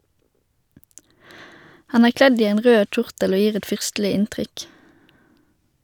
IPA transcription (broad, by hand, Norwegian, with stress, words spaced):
ˈhɑn ˈæːʁ ˈklɛd ˈiː ˈeːn ˈʁøː ˈc͡çʊʁtəl ˈoː ˈjiːʁ ˈɛt ˈfʏʁstl̩ɪ ˈɪntʁʏk